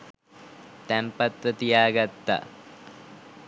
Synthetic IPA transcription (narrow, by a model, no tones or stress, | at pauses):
t̪æmpat̪ːət̪ijaːɡat̪ːa̰